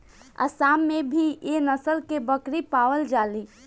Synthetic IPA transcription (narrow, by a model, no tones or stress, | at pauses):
ə̰saːmːẽbʱijenəsəlkebəkɾipaːwəld͡ʒaːli